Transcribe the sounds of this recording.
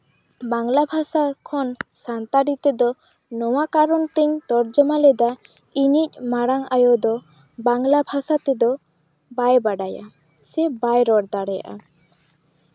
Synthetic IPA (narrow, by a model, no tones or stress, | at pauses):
baŋlabʱasakʰɔnsant̪aɖit̪ɛd̪ɔ | nɔwakaɾɔnt̪ɛɲt̪ɔɾd͡ʒɔmalɛd̪a | inic̚ˀmaɽaŋajɔd̪ɔ | baŋlabʱasat̪ɛd̪ɔ | bajbaɖaja̰ | sɛbajɾɔɽd̪aɽɛja̰ʔa